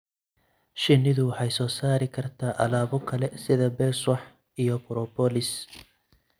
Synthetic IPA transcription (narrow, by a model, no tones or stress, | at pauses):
ʃɪnːɪðʊwɑħɑjsɔːsaːɾɪkʰɐrt̪ʰaːʔɐ̰laːβɔkʰɐlɛsɪðɐbɛswɐħ | ijɔbʊɾɔbɔlɪs